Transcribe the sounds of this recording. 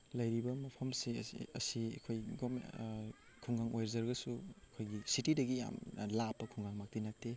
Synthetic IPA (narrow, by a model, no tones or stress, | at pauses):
lɐjɾibɐmɐpʰɐmseɐ̰siɐ̰kʰojɡom̰ | kʰuŋɡaŋojɾzɐɾɡɐsuɐkʰojɡisitidɐɡija̰mlapːɐkʰuŋɡaŋmak̚tinatːe